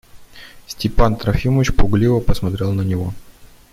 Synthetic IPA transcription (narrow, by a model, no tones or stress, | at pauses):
sʲtʲɪpant̪ɾɐfʲiməvʲɪt͡ɕpʊɡlʲivəpəsmɐt̪ɾʲelˠnənʲɪvo